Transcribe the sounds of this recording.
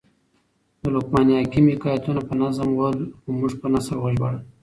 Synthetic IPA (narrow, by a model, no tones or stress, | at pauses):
d̪əlʊkmɑnjɑkimɪkɑjat̪unapənazamwəlxomuʐpənasəlwaʒbaɽ